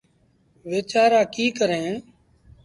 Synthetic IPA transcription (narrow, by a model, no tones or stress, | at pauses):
ʋeːt͡ʃaːɾaːkiːkəɾẽː